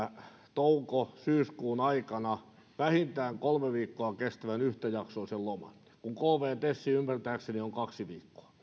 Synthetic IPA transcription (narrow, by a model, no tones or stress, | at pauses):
t̪oukosyːskuːnɑikɑnɑ | ʋæhint̪æːŋkolmeʋiːkːoɑkest̪æʋænyht̪æjɑksoːsellomɑ̰n | kuŋkolʋeːt̪esːiympært̪æːksenioŋkɑksiʋiːkːo̥ɑ̥